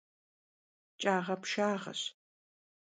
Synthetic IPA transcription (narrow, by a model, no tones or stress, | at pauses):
t͡ʃʼaːʁɐpʃaːʁɐ̰ɕ